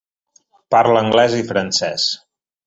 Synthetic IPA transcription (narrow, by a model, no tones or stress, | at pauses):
paɾləŋɡlɛzifɾənsɛs